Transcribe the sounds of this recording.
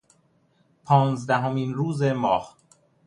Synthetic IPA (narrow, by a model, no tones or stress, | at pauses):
pʰɒːnzd̪æɦomiːnɾuːzemɒːh